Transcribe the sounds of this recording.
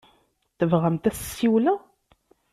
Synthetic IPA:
θəvʁæmt̪æssiwlæ

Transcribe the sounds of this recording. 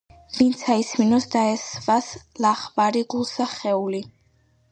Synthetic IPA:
vint̪sʰaisminɔsd̪aɛsvaslaχvaɾiɡulˠsaχɛuli

